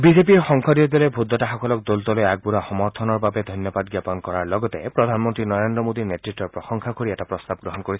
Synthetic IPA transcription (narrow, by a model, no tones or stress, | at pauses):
bizep̬iɹxɔŋkʰɔdiɔd̪ɔlebʱud̪ːɔtaxɔkʰɔlɔk̚d̪olt̪ɔlojaɡ̚buɾaxɔmɔɾt̪ʰɔnɔɹbabed̪ʱɔnjɔbad̪ɡjapɔnkɔɹaɹlɔɡɔt̪ḛpɾɔd̪ʱanmɔnt̪ɾinɔɹend̪ɾɔmod̪iɹnetɹitːɔɹpɹɔxɔŋkʰakoɹiɛtapɹɔst̪ab̚ɡɹɔɦɔnkoɹis